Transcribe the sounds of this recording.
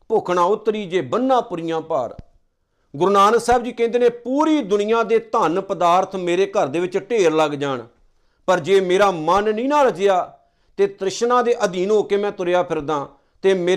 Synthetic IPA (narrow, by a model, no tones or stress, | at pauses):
pʊkʰɳãːʊt̪ːɾiːd͡ʒeːbənːãːpʊɾijãːpə̰ːɾ | ɡʊɾnaːnsɛːbd͡ʒiːkɛ̃ːnd̪eːneːpuːɾiːd̪ʊnɪjãːd̪eːt̪ənpəd̪aːɾt̪ʰmeːɾeːkəɾd̪eːʋɪt͡ʃʈeːɾləɡd͡ʒaːɳ | pəɾd͡ʒeːmeːɾaːmənːĩːnãːɾəd͡ʒɪjaː | t̪eːt̪ɾɪʃnãːd̪eːʔəd̪iːnɦoːkeːmɛ̃ːt̪ʊɾjaːpʰɪɾd̪ãː | t̪eːmeː